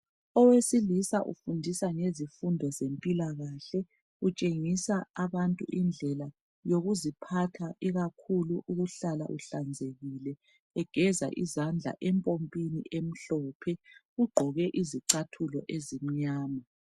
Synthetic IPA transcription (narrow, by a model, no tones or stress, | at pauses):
ɔwesilisaʔṵfundʱisaŋezifundʱɔzempʼilaɣaɬɛ | ut͡ʃʼeŋisaːβantʼṵʔind͡ɮʱɛla | joɣuzipʰatʰaʔiɣakʰuluʔuɣuɬala̰ʔuɬand͡zʱeɣilɛ | ɛɡ̥ʱɛza̰ʔizand͡ɮʱa̰ʔɛmpʼompʼinḭʔem̩ɬɔːpʰɛɣuɡ͡ǃʱɔɣɛʔiziǀatʰulɔ̰ʔezim̩ɲaːma